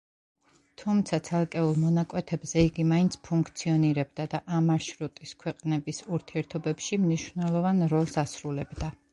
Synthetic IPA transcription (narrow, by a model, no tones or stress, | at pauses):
t̪ʰumt̪sʰat̪sʰɛlˠkʼɛulˠmɔnakʼwɛt̪ʰɛbzɛiɡimaint̪sʰpʰuŋkʰt̪sʰiɔniɾɛbd̪ad̪aʔamaɾʃɾut̪ʼiskʰwɛqʼnɛbisuɾt̪ʰiɛɾt̪ʰɔbɛpʃimniʃvnɛlˠɔvanɾɔlˠsasɾulɛbd̪a